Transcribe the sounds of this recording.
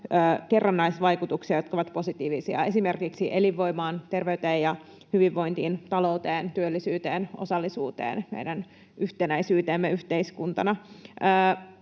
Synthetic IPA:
əːkerːɑnːɑisʋɑjkut̪uksiɑjot̪koʋɑt̪po̞sit̪iːʋisiɑ̰e̞sime̞rkiksiʔeliʋːo̞imɑːnt̪erʋeyt̪eːjɑ | hyʋiʋːo̞jnt̪iːnt̪ɑlo̞ut̪eːnt̪yølːisyːt̪eːnʔo̰sɑlːisṵːt̪ḛːnmḛidæn | ʔyht̪enæisyːt̪eːmːeyht̪eiskunt̪ɑnɑəː

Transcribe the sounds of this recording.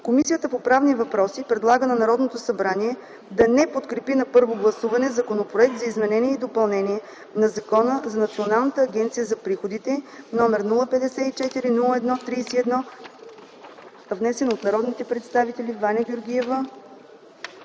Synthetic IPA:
komisijət̪əpopɾavnivɐpɾɔsipɾɛd̪lˠaɡənɐnɐɾɔd̪not̪osɐbɾaniɛ | d̪ɐnɛpot̪kɾɛpinɐpɤɾvoɡlˠɐsuvɐnɛzɐkonopɾoɛk̚t̪zɐizmɛnɛniɛid̪opɐlˠnɛnʲiɛ | nɐzɐkɔnəzɐnɐt̪sionalˠnət̪əːɡʲɛnt̪sijəzɐpɾixod̪it̪ɛnɔmɛɾnulˠəpɛd̪ɛsɛit͡ʃɛt̪iɾinulˠəɛd̪nɔt̪ɾijsiɛd̪nɔ | ɐvnɛsɛnot̪nɐɾɔd̪nit̪ɛpɾɛt̪st̪avit̪ɛlʲivanʲɐɡʲoɾɡʲiɛvə

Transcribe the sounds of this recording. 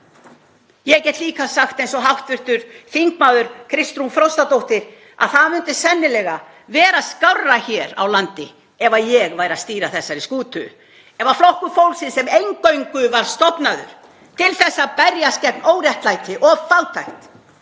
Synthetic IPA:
jɛɣcɛːht̪liːkasaxt̪ejnsɔɦawht̪vʏr̥t̪ʏɾ̥θiŋkmaːwðʏɾ̥kʰɾɪst̪ɾumfɾɔwst̪at̪owht̪ɪɾ̥ | a̰ðθaðmʏnt̪ɪsɛnːɪlɛɣa | vɛːɾaskawrːaçɛːɾa̰wlant̪ɪ | ɛvajɛɣvaːjɾast̪iːɾaθɛsːaɾiskuːt̪ʏ | ɛvaflɔhkʏfowlsɪnsɛmejŋkœɥŋkʏvaɾ̥st̪ɔpnaðʏ̰ɾ̥ | t̪ʰɪlθɛsːapɛɾjascɛpnoːwɾjɛht̪lajt̪ɪʔɔvfaw̪t̪ʰajht̪

